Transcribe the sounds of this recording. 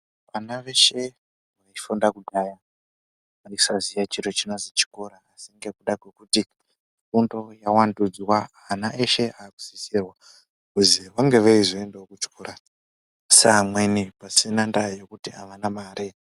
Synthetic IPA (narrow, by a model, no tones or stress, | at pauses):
ʋanaʋe̞ʃe̞ | ʋaifundakuɗaja | maisazijat͡ʃiɾot͡ʃinozit͡ʃi̥koɾaːsiŋɡe̞kuɗakwe̞kuti | fundo̞jawandud͡zwa | anaʔeʃe̞ʔaːku̥zisirwa | kuziʋaŋɡe̞ʋeiʐoendeokut͡ʃkoːɾa | samwenipasinandajokutia̰ʋanamaːɾʔe